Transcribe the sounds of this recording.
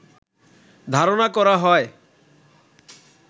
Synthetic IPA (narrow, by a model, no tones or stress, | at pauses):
d̪ʱaɾonakɔɾaɦɔe